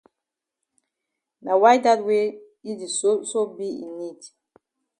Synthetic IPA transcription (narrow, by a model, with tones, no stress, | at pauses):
na˨wa˦jda˦twe˦ | i˦di˨soso˦bi˦ḭ˨ni˦˨t